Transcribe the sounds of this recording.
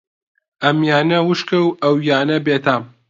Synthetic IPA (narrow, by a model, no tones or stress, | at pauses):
ɐmjaːnɐwɨʃkɐwɐwjaːnɐbeːt̪ʰam